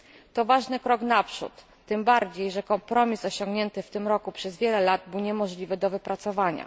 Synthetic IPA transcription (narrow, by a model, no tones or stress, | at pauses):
t̪ɔvaʐnɘkɾɔknapʂṵt̪ːɘmbaɾd͡ʑejʐɛkɔmpɾɔmʲisɔɕɔ̃ŋɡɲɛnt̪ɘft̪ɘmɾɔkupʂɛzvʲjɛlɛlad̪̚bɘwɲɛmɔʐlʲivɘd̪ɔvɘpɾat̪sɔvaɲa̰